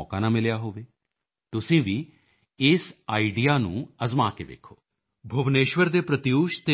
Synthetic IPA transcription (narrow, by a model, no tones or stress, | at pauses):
ɔːkãːnãːmɪljaːɦoːʋeː | t̪ʊsĩːʋiː | ɪsaːiɖijaːnṵ̃ːəzmaːkḛːʋḛːkʰːo̰ː | bʱʊʋneːʃʋəɾd̪eːpɾət̪ɪjuːʃt̪e